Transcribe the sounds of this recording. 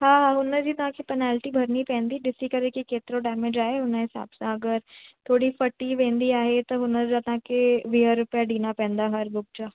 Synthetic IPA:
ɦãːɦãːɦʊnəd͡ʒiːt̪ãːkepɛnɛːlʈiːbʱəɾniːpɛ̃ːnd̪iːɖɪsiːkəɾeːkekeːt̪ɾoɖɛːmed͡ʒaːeɦʊnãɦɪsa̰ːbsãəɡəɾt̪ʰoːɽiːfʰəʈːiːʋẽːnd̪iːaːɦet̪ãɦʊnəɾd͡ʒaːt̪ãːkeʋiːaɾʊpɪjaɖiːnaːpɛ̃ːnd̪aːɦəɾbʊk̚d͡ʒaː

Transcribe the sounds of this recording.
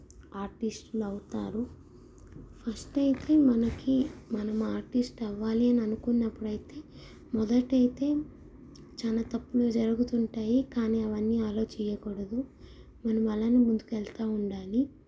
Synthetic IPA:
aːɾʈisʈluɐwut̪a̰ːɾu | pʰɐsʈɐjit̪e̞ːmɐnɐkimɐnɐmaːɾʈisʈɐʋːaːliɐniɐnukunːɐpːuɽɐjit̪e̞ː | mɔd̪ɐʈɐjit̪e̞ː | t͡ʃaːnaːt̪ɐpːulod͡ʒɐɾuɡut̪uɳʈaːjikaːniːɐʋɐnːiːaːlo̞ːt͡ʃɛjɐkɔɽɐd̪u | mɐnɐmɐlːanimund̪ukɛlt̪aːuɳɖaːli

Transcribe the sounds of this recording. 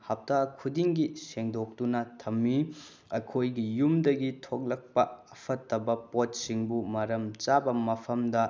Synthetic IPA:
hap̚takʰudiŋɡiseŋdok̚dunɐtʰɐmːi | ɐkʰojɡijumdɐɡitʰok̚lɐk̚pɐɐpʰɐtːɐbɐpot̚siŋbumɐɾɐmt͡ʃabɐmɐpʰɐmdɐ

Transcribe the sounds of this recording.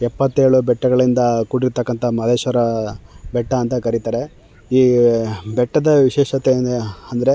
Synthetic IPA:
ɛpːɐt̪ːeːɐɭubɛʈːɐɡɐɭind̪ɐkuɽiɾt̪ɐkːɐnt̪ʰɐmɐd̪eːʃɐɾɐbɛʈːɐːnt̪ɐkɐɾit̪aːɾe̞ | iːbɛʈːɐd̪ɐʋiʃɛːʃɐt̪end̪eɐnd̪ɐɾe̞

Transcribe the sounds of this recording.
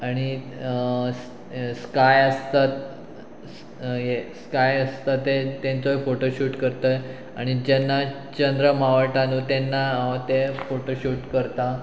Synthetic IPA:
aɽ̃i | s | skajəst̪at̪ | ɦeskajəst̪at̪et̪ẽnt͡soefoʈoɕuːʈkəɾt̪əj | a̰ɽ̃id͡ʑenːa | t͡ɕənd̪ɾəmaʋəʈãnũːt̪enːat̪efoʈoɕuːʈkəɾt̪a

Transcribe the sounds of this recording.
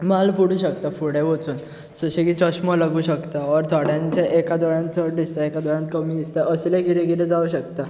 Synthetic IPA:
malpuɽ̤uːɕək̚t̪afuɽeʋot͡suːn | səɕeɡit͡ɕɔɕmɔlaɡuːɕəkt̪aɔɾt̪ʰɔɽjãɲt͡ɕeʔekad̪ɔɭjãnt̪əʈɖ̪ist̪aekad̪ɔɭjãnt̪̚kəmiːd̪ist̪aʔəslẽɡʱiɾeɡʱiɾed͡zauɕək̚t̪a

